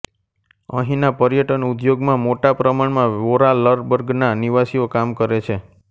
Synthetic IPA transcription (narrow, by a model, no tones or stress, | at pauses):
ə̰̃ɦĩnapəɾjəʈənud̪joɡmãmoʈapɾəmaɳmãʋoɾaləɾbəɾɡnaniʋasiokamkəɾet͡ʃʰe